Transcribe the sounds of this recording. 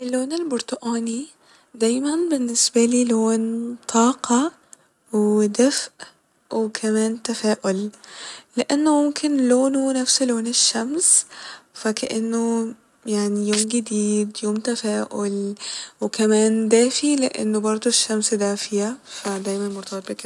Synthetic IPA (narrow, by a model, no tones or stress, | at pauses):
ʔɪlːoːnɪlbʊɾt̪ʊʔaːni | d̪aːjmanbɪnːɪsbaliːloːnt̪ˤʰɑːqɑ | wɪd̪afʔ | wɪkʰamaːnt̪afaːʔʊl | lɪʔanːʊmʊmkʰɪnloːnunafsloːnɪʃːamsfakaʔɪnːʊ | jaʕnijoːmɡɪd̪iːd̪joːmt̪afaːʔʊlwɪkamæːnd̪aːfilɪ̰ʔa̰nːʊbɑɾˤd̪ˤoʃːamsd̪aːfɪjafad̪æjmanmʊɾt̪ˤɑbɑt̪bik